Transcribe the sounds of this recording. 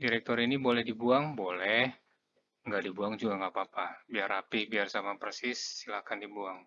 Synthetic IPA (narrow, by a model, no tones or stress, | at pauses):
diɾɛk̚t̪ɔɾinibolɛhdibuaŋbolɛh | ŋɡaʔdibuaŋd͡ʒuɡaŋapaːpabiaɾapɪhbiarsamapərsɪsːilakandibuaŋ